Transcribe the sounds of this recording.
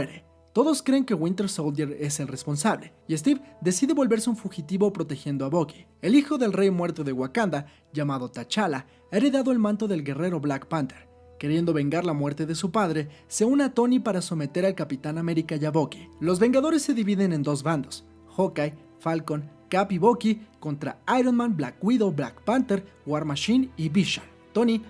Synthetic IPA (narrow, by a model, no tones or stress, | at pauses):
eɾe | t̪o̞ðo̞skɾe̞ːŋke̞ɣwĩnt̪e̞ɾsold̪eɾe̞se̞lre̞spo̞nsaβle̞ | iest̪ivd̪e̞siðe̞βo̞lβe̞ɾseuɱfuxit̪iβo̞pɾo̞t̪e̞xje̞nd̪oaβo̞ki̥e̞lixo̞ðe̞lre̞jmwe̞ɾt̪o̞ðe̞ɣwakand̪a | ʝamaðo̞t̪at͡ʃala | aeɾe̞ðaðo̞e̞lmãnt̪o̞ðe̞lɡe̞re̞ɾo̞βlakpant̪eɾ | ke̞ɾje̞nd̪oβe̞ŋɡaɾlamwe̞ɾt̪e̞ðe̞supaðɾe̞ | se̞uneat̪o̞nipaɾaso̞me̞t̪e̞ɾalkapit̪aname̞ɾikaʝaβo̞ki̥lo̞zβe̞ŋɡaðo̞ɾe̞sːe̞ðiβiðe̞ne̞nd̪o̞zβand̪o̞s | xokaj | falko̞nkapiβo̞kiko̞nt̪ɾa̰ajɾonmãnblakwiðo̞bla̰kpant̪eɾ | ɡwaɾmaʃiniβiʃan | t̪o̞ni